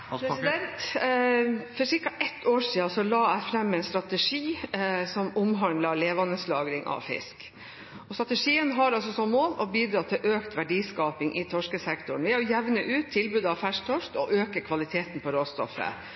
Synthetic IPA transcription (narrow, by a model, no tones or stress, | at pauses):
pɾsɪd̪ɛnt̪ | fɔʂɪɾkɑʔɛt̪ʰːoːʂiːɑsɔlɑːæɪfɾɛmːɛnst̪ɾɑt̪əʂiːsɔmʊmɦɑnd̪lɑleːʋɑnəslɑːɡɾɪŋʔɑ̰ʋfɪ̰sk | ʔɔst̪ɾɑt̪əʂiːənɦɑɾɑlsɔsɔmoːlɔbiːd̪ɾɑːt̪ʰɪlʔøːkt̪ʰʋæɖiːskɑːpɪŋʔɪt̪ʰɔʂkəsɛkt̪ʊɳʋɛjʊjɛʋnəʔʉːt̪ʰːɪlbʉːd̪ɑfæʂt̪ʰɔʂtɔʔøːkəɾkʰʋɑlɪt̪ʰeːt̪n̩pʰɔɾoːst̪ɔ̰fə̰